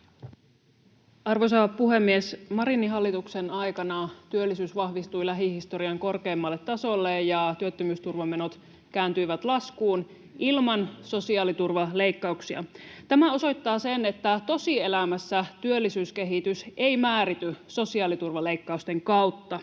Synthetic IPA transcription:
ɑrʋosɑːpuɦe̞mːiesmɑɾinːiɦɑlːit̪ukse̞nɑjkɑnɑt̪yølːisyːsʋɑhʋist̪uilæɦihist̪o̞ɾiɑŋko̞rke̞ːmːɑlːet̪ːɑso̞lːejjɑt̪yøt̪ːømyːst̪urʋɑmːe̞not̪ | kæːnt̪yiʋæt̪lɑskuːn | ʔilmɑnso̞siɑːlit̪urʋɑle̞ikːɑuksiɑ̰t̪æmæo̞so̞jt̪ːɑːsenet̪ːæt̪o̞sie̞læmæsːæt̪yølːisyːske̞ɦit̪yseijmæːɾit̪yso̞siɑːlit̪urʋɑle̞ikːɑust̪e̞ŋkɑwt̪ːɑ

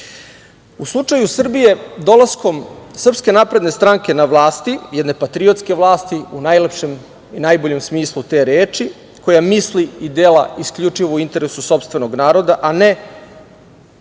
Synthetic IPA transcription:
uslˠut͡ʂajusr̩bije̞d̪olˠasko̞msr̩pske̞napɾe̞d̪ne̞st̪ɾaːŋkʲenaʋlˠaːst̪ijɛd̪ne̞pat̪ɾio̞t̪skʲe̞ʋlˠaːst̪iunajlepʃe̞m | inajbo̞ʎe̞msmiːslˠut̪e̞ːɾeːt͡ʃi | kojamisliid̪eːla̰ʔiskʎut͡ʂiʋouint̪e̞ɾesuso̞pst̪ʋe̞no̞ɡnaːɾo̞d̪aʔane

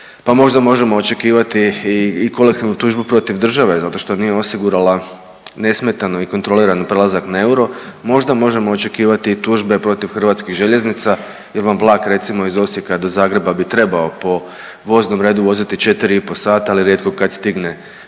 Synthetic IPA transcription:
pamo̞ʒd̪amo̞ʒe̞mo̞ːt͡ʃe̞kiːʋat̪iːko̞le̞k̚t̪iʋnut̪uːʒbupɾo̞t̪iʋd̪r̩ʒaʋe̞zat̪o̞ʃt̪o̞nije̞o̞siɡuɾala | ne̞sme̞t̪ano̞ikont̪ɾo̞liɾanpɾe̞lˠazaknae̞uɾo̞mo̞ʒd̪amo̞ʒe̞moːt͡ʃe̞kiːʋat̪iːt̪uːʒbe̞pɾo̞t̪iʋxr̩ʋaːt̪skiɣʒe̞ʎe̞znit̪sa | je̞ɾʋamblˠaːkɾe̞t̪simo̞izo̞sjekad̪o̞zaːɡɾe̞babit̪ɾe̞bao̞po̞ | ʋo̞zno̞mɾe̞ːd̪uʋo̞zit̪it͡ʃe̞t̪iɾiipo̞saːt̪aaliɾjet̪ko̞kad̪st̪iɡne

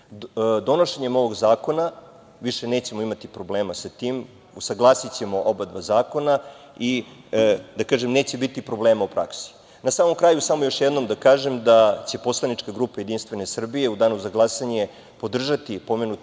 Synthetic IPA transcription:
d̪o̞noʃeɲe̞mo̞ʋo̞ɡzaːko̞na | ʋiʃe̞ne̞ːt͡ɕe̞moimat̪ipɾo̞bleːmasat̪iːm | usaɡlˠaːsit͡ɕe̞mo̞ʔobad̪bazaːko̞na | i | d̪akaːʒemneːt͡ɕebit̪ipɾo̞ble̞ːmaupɾa̰ksi̥ | nasaːmo̞mkɾaːjusamojo̞ʃjed̪no̞md̪akaːʒe̞md̪at͡ɕe̞po̞slˠanit͡ʃkaɡɾuːpajed̪inst̪ʋe̞ne̞sr̩bije̞ud̪aːnusaɡlˠaːsaɲe | po̞d̪r̩ʒat̪ipo̞menu

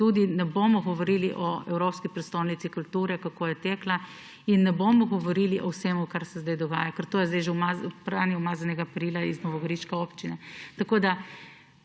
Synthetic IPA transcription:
t̪uːd̪inɛboːmɔɡɔʋɔɾiliʔɔɛ̰wɾopskipɾɛtst̪ownit̪sikʊlt̪uːɾɛkakoːjɛt̪eːkla | inːɛboːmɔɡɔʋɔɾiliʔɔwsemɔkaɾsɛzd̪ajd̪ɔɡaːjakəɾt̪oːjɛzd̪ɛjʒɛwmazpɾaːniwmaːzanɛɡaːpɾiːlaiznɔʋɔɡɐɾiʃkɛoːpt͡ʃinɛt̪akoːd̪a

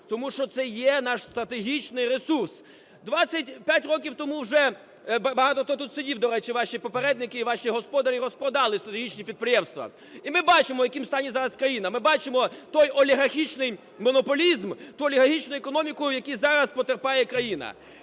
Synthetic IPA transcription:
t̪ɔmuʃt͡ʃɔt̪sɛjɛnɑʃst̪ɾɐt̪eɦʲit͡ʃnɪjɾesurs | d̪ʋat͡sʲːɐt̚ʲpʲjætʲrɔkʲiwt̪ɔmuwʒɛ | bbɐɦɑt̪ɔt̪ɔt̪ut̪sɪdʲiwd̪ɔɾɛt͡ʃiʋɑʃʲipɔpeɾɛd̪nɪkɪːʋɑʃiɦɔspɔd̪ɐɾʲiɾɔspɔd̪ɑlˠɪst̪ɾɐt̪eɦʲit͡ʃnʲipʲid̪̚pɾʲɪjɛmst̪ʋɐ̰ | imɪbɑt͡ʃɪmɔjɐkʲimst̪ɑnʲizɑɾɐskɾɐjinɐmɪbɑt͡ʃɪmɔt̪ɔjɔlʲiɦɐrxʲit͡ʃnɪj | mɔnɔpɔlʲizmt̪uɔlʲiɦɐrxʲit͡ʃnʊjʊekɔnɔmʲikʊjʊjɐkʲijzɑɾɐspɔt̪erpɑjɛkɾɐjinɐ̰

